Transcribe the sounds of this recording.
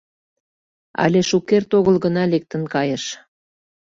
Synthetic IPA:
ɑ̰lʲeʃukert̪oɣəlɣənɑlek̚t̪ənkɑjəʃ

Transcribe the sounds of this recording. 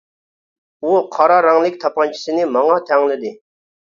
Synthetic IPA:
wokʰaɾaɾaŋlik̚t̪ʰap̚ːant͡ɕə̥senimaŋat̪ʰaŋləd̪e

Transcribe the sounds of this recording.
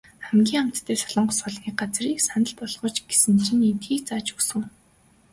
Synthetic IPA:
χæmɡʲiːŋam̥t̪t̪ʰːeːsɔɮɞ̆ɴɢsɔɮniːk̚ɢat͡sriːksanə̆ɮpɔɮʁɞ̆ːt͡ɕɡ̥e̥sɘ̆nrɘ̆nent̪xiːk̚t͡saːt͡ɕuksɘ̆ŋ

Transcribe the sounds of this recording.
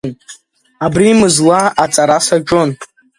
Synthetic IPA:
n | abriːmɨzlaʔat͡sʼaɾasaʈ͡ʂʼon

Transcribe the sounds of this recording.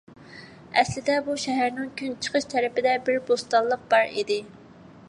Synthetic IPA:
ɛslɪd̪ɛbuʃɛɦæɾnɪŋkʲʰynt͡ʃʰə̥qʰəʃt̪ʰɛɾɪpɪd̪ɛbɪɾbost̪ɑlˠːəq̚b̥ɑɾḭd̪ɪ

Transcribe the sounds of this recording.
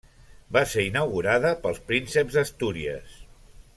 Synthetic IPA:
baseinəwɣuɾaðəpəlˠspɾinsəbzəst̪uɾiə̰s

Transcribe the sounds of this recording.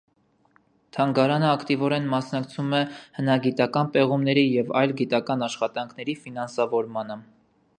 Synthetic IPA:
t̪ʰɑŋɡɑɾɑnəɑkʰt̪ivɔɾɛnmɑsnɑkt͡sʰumɛhənɑɡit̪ɑkɑnpɛʁumnɛɾijɛvɑ̰jlɡit̪ɑkɑnɑʃχɑt̪ɑŋkʰnɛɾifinɑnsɑvɔɾmɑnə

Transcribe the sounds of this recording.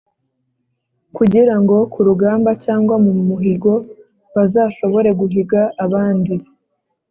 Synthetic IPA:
kuɟiɾaŋɡo̞kʰuɾuɡaːmbacaːŋɡwamumuɦiɡo̞ | βazaːʃo̞βo̞ɾe̞ɡuɦiɡaʔːβaːndi

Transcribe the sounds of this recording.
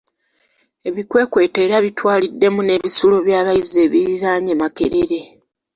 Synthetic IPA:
e̞βikwe̞ːkwe̞ːte̞ːɾaβitwaːlidːe̞mune̞βisulo̞βjaːβaize̞ːβiɾiɾaːɲemake̞̰ɾe̞ɾe̞

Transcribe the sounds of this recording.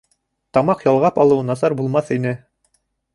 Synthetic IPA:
t̪ɑmɑqjɑlˠʁɑpɑlˠɤ̆wnɑsɑɾbulˠmɑθinɘ

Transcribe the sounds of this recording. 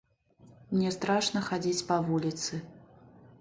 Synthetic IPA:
mnʲɛst̪ɾaʂnɐxad͡zʲit͡sʲpɐvulʲit̪sɨ

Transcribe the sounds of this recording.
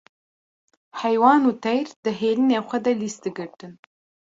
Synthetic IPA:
ħajwɑːnut̪ʰajrd̪̥ɨɦeːlɨneχʷad̪alist̪ɨɡɨɾʈʰʼɨn

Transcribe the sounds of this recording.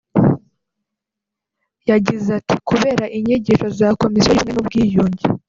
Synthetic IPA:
jaɟizati̥kuβe̞ːɾaʔiɲeɟiʃo̞zako̞misijojumŋe̞nubɡiːjuːɲɟi

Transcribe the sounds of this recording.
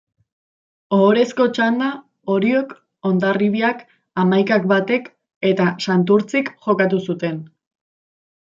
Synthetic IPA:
oːɾe̞sko̞t͡ʃand̪a | o̞ɾio̞k | o̞nd̪ariβiak | amajkak̚bat̪e̞k | e̞t̪asant̪uɾt͡sikʝo̞kat̪̬usut̪e̞n

